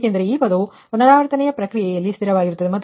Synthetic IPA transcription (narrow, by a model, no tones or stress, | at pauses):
kendɐɾeiːpɐd̪u | nːɐɾaːʋɐɾt̪ɐnɛjɐpɾɐkɾijɛjɐlːist̪iɾɐʋaːɡiɾut̪ːɐd̪emɐt̪ː